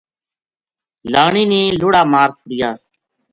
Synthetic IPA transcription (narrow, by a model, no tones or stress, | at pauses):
laːɳ̃iːniːlʊːɽaːmaːɾsʊɽɪjaːs